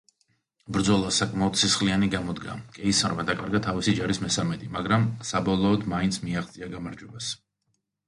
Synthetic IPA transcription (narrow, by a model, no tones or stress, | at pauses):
bɾd̪zɔlˠasakʼmaɔd̪sisχlianiɡamɔd̪ɡa̰kʼɛisɔɾmad̪akʼaɾɡat̪ʰavisid͡ʒaɾismɛsamɛt̪ʼimaɡɾamsabɔlˠɔːd̪maint̪sʰmiaχt̪sʼiaɡamaɾd͡ʒwɛbas